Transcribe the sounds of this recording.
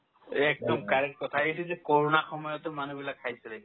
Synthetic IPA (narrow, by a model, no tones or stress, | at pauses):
ɛk̚dɔmkaɹɛkkɔtʰaesɛzɛkoɹɔnaxɔmɔjɔtɛmanubilakʰːajsɛlɛ